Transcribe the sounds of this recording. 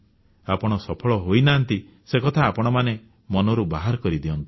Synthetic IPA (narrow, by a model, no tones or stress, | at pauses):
apɔɽ̃ɔsɔpʰɔɭɔɦojnaːnt̪i | sekɔt̪ʰaːpɔɽ̃ɔmane | mɔnɔɾubaɦaɾɔkɔɾid̪iɔnt̪i̥